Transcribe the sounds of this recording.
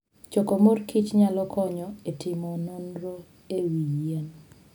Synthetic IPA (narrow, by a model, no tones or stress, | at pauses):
t͡ʃokomorkit͡ʃɲalɔkʰɔɲɔetɪmɔnonɾo | ewijen